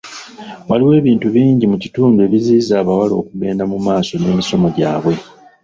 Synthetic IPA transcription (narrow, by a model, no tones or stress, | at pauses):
waliwe̞ːβiːntuβiːɲɟimucituːndue̞βiziːzaːβawalo̞̰ːkuɡe̞ːndamumaːso̞ne̞ːmiso̞mo̞ɟaːβwe̞